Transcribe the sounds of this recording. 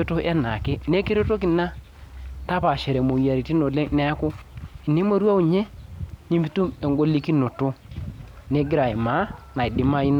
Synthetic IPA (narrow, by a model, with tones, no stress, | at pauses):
o˦to˦ʔɛ˦na˨ke˦ne˦ke˦ɾo˦to˦ki˨na˦ | ta˦pa˨ʃɛ˨ɾɛ˨mo˨ja˨ɾi˨ti˦no˨le˦nɛ˦kʊ˦i˨ne˦mo˦ɾwa˦u˨ɲɛ˦ni˦mi˦tu˦me˨ŋɡo˦li˦ki˦no˨tʊ˦ | ne˦ɡɪ˦ɾa˨ɪ˨ma˨˦na˨ɪ˨dɪ˨˦ma˦i˦n˦